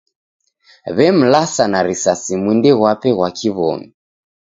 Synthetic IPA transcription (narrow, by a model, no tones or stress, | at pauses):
βɛm̩lasanaɾisasimindɛɣwapɛɣwakʰiβɔ̰mi